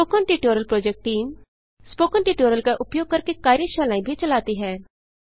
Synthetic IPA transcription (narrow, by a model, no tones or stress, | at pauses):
oːkənʈiːʈoːɾəlpɾoːd͡ʒek̚ʈːiːm | spoːkənʈiːʈoːɾəlkaʔʊpjoːɡ̚kɐɾkekaːɾjəʃaːlaːĩbʱit͡ʃɐlaːt̪iɦɛː